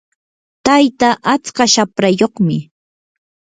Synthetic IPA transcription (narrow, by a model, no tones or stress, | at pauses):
t̪ajt̪aʔat͡skaʃapɾajoχmɪ